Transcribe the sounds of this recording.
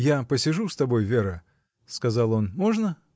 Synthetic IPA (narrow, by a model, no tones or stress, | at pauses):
japəsʲɪʐust̪ɐbo̞jvʲeɾə | skɐzɑlˠo̞nmo̞ʐnə